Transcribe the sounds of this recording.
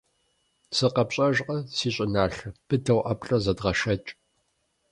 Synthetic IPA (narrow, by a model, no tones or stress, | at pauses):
sɨqɐpɕʼɐʒqʼɐsiːɕʼɪnaːɬɐpʰɨtʰɐwʔɐpʼɬʼɐzɐdʁɐʃɐt͡ʃʼ